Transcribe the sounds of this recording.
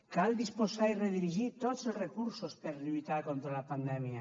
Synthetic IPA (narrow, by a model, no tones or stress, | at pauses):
kald̪isposaireðiɾiʒit̪ozelzrekuɾsospeɾʎujt̪aɾkont̪ɾalapand̪ɛmja